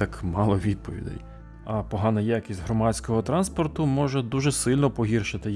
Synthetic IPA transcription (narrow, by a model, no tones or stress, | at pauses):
ɑkmɑlˠɔʋʲid̪̚pɔʋʲḭd̪ɛ̰j | ɐpɔɦɑnɐjakʲisʲtʲɦɾɔmɑt͡sʲkɔɦɔt̪ɾɑnspɔrt̪ʊmɔʒɛd̪uʒɛsɪlʲnɔpɔɦʲirʃɪt̪ɪ